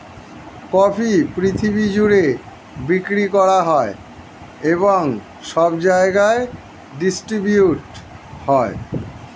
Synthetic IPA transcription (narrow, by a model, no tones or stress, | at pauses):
kɔfʰipɾit̪ʰibid͡ʑuɽe | bikɾikɔɾaɦɔe | eβoŋ | ʃɔbd͡ʑaeɡae | ɖisʈɾibjuʈ | hɔe